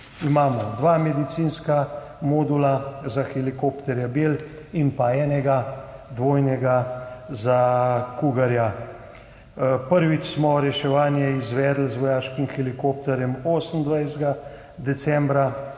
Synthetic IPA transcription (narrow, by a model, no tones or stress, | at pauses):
imaːmɔd̪ʋaːmɛd̪it̪sinska | mɔːd̪ulazaxɛlikopt̪ɛɾjabel | inpaɛːnɛɡad̪ʋoːjnɛɡazakuɡaɾja | pəɾʋit͡ʃsmɔɾɛʃɛʋaːnjɛizʋɛːd̪l̩zʋɔjaːʃkimxɛlikoːp̚t̪ɛɾjɛmoːsənd̪ʋajsɡa | d̪ɛsɛ̃mbɾa